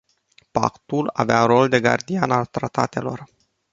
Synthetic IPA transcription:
pa̰kt̪ula̰veaɾo̞ld̪e̞ɡa̰rd̪ianalt̪ɾat̪at̪e̞lo̞r

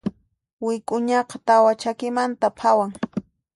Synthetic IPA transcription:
wɪkʼʊɲɑqɑt̪awat͡ʃakɪmant̪apʰawaŋ

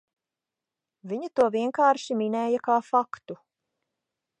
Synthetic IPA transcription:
viɲat̪uɔviɛŋkaːɾʃiminɛːjakaːfakt̪u

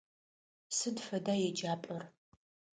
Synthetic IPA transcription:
sɨdfɐdaːjɛd͡ʒaːpʼɐr

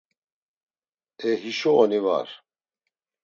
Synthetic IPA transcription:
ɛɦiʃɔɔniva̰ɾ

